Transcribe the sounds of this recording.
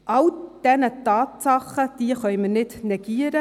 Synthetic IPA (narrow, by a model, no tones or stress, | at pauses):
ʔɑld̥ɛnətɑːtsɑχəd̥iːəχœʏmənɪtnɛɡ̥iːəɾə